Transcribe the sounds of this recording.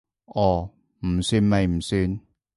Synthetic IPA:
ʔɔː˨˩ | m̩˨˩syː˧nmɐ˨jm̩˨˩syː˧n

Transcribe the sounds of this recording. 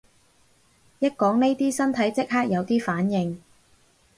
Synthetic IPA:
jɐ˥t̚kɔː˨˥ŋne˥jt̪iː˥sɐ˥nt̪ʰɐ˨˥jt͡sɪ˥k̚ɦaː˥k̚jɐ˨˧wt̪iː˥faː˨˥njɪ˨ŋ

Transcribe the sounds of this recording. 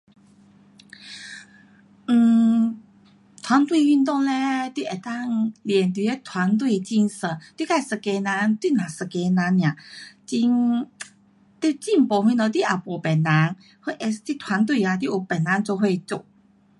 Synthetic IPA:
n̩˨˩ | t̪ʰwa˧˦˥nt̪wi˥˧y˥˧nt̪ɔ˥˧ŋle˧t̪wi˧˩˨ɛ˨˩t̪a˥˧ŋljɛ˨˩nt̪̬i˧e˧˦t̪ʰwa˧˦nt̪̬wi˥˧t͡ɕi˥˧nsə˧˩t̪wi˥˧ka˥˧˩sə˧ke˧na˧˦nt̪wi˥˧˨nã˨˩sə˧˩ke˧na˧˦nːj̃ã˨t͡ɕi˧n | t̪i˥˧t͡ɕi˥˧˨m˨pɔ˨˩ɦwĩ˧nɔ˧˩t̪̬i˧˨ʔa˨˩pɔ˨˩pɛ˨˩nːa˨˧˦n | hwe˥˧ʔɛ˧st̪i˧t̪ʰwa˧˥nt̪̬wi˥˧a˧˩t̪̬ji˥˧˨ʔu˨˩pɛ˨˩nːa˨˧˦nt͡so˧ɦwe˥˧t͡su˥˧˨k̚

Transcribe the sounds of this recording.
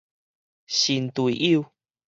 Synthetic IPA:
ɕi˨˩nt̪u˨ḭ˨ʔi˦˧w

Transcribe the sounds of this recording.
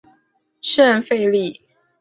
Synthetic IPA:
ʂə˥˧nfe˥˧ɪli˥˩

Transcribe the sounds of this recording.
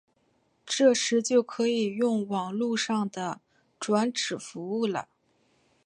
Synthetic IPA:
ʈ͡ʂɤ˥˩ʂɻ̩˧˥t͡ɕjo˥˩ʊkʰɤ˧˥i˨˩jʊ˥˩ŋwɑ˨˩ŋlu˥˧ʂɑ˥˩ŋd̪ə˩ | ʈ͡ʂwa˧˥nʈ͡ʂɻ̩˨˩fu˧˥u˥˩lə̰˩

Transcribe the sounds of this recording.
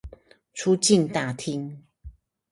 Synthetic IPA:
t͡sʰu˦t͡ɕi˥˨nt̪a˨˩t̪ʰi˦ŋ

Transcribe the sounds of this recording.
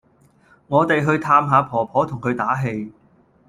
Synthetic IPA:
ŋɔː˨˧t̪e˨jɦɵ˧ɥt̪ʰaː˧mɦaː˨˧pʰɔː˨˩pʰɔː˨˥t̪ʰʊ˨˩ŋkʰɵ˨˧ɥt̪aː˨˥ɦe˧j

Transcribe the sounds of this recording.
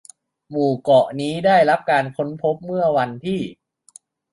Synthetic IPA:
muː˨˩kɔ˨˩ʔniː˦˥daː˥˩jɾa˦˥p̚kaː˧npʰo˦˥npʰo˦˥p̚mɯ˥˩ɐwa˧nt̪ʰiː˥˩

